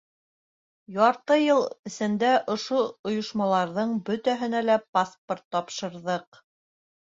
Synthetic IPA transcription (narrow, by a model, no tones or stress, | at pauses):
jɑɾt̪ɤjɤlˠɘ̆sɘ̆nd̪æʔŏʃoŏjŏʃmɑlˠɑɾðɤɴbɵt̪æɦɘ̆nælæpasport̪ːɑpʃɤ̆ɾðɤq̚